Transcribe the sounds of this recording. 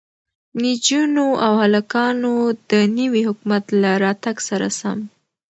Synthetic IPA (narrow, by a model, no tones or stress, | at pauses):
nid͡ʒunoʔawhalakɑnod̪ənəwihʊkumat̪laɾɑt̪aɡsaɾa̰sa̰m